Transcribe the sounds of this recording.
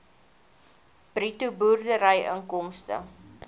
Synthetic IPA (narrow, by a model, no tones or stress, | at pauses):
b̥rituburdəɾəjə̰ŋkɔmstə̰